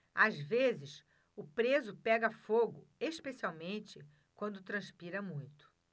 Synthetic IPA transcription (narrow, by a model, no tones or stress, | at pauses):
azvezɪs | ʊpɾezʊpɛɡɐfoɡʊ | eʃpesiawmẽnt͡ʃɪ | kwɐ̃nd̪ʊt̪ɾɐ̃spiɾɐmũj̃t̪ʊ̥